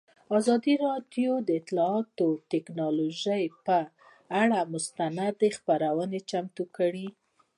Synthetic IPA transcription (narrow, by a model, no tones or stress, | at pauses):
ɑzɑd̪iɾɑɖjod̪əɪt̪lɑɑt̪ot̪ɪknɑloʒəjpə | aɽamʊst̪anad̪expaɾawənet͡ʃamt̪ukəɽi